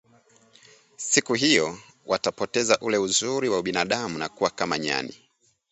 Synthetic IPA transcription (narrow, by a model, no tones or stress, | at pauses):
sikuɦijɔ | wʔatapɔtɛzaʔulɛuzuɾiwauɓinaɗamunakuwakamaɲa̰nḭ